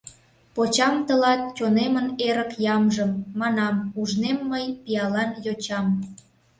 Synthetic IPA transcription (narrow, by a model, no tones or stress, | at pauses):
pot͡ɕɑmt̪əlɑt̪̚t͡ɕʲoneməneɾəkjɑmʒəmːɑnɑmuʒnemːəjpiɑlɑnjot͡ɕɑm